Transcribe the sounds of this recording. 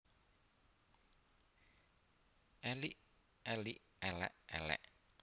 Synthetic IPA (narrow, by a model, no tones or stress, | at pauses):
ʔɛliʔ | ɛliʔ | ɛlɛ̰ʔɛlɛ̰ʔ